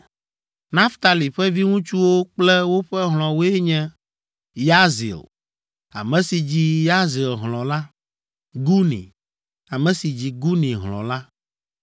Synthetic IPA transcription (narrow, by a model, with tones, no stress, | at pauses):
nã˦ft̪a˨li˨ɸɛ˦vi˦ŋũ˦t͡ʃu˦wo˦k͡plɛ˦wo˦ɸɛ˦ɦl̃ɔ̃˨wo˦ɛ˦ɲɛ̃˦ | ja˦zḭ˨l | a̰˨mɛ̃˨si˨d͡ʑi˦ja˦zi˨lɦlɔ̃˨la˦ | ɡu˦nḭ̃˨ | a˨mɛ̃˨si˨d͡ʑi˨ɡu˦nĩ˨ɦlɔ̰̃˨la˦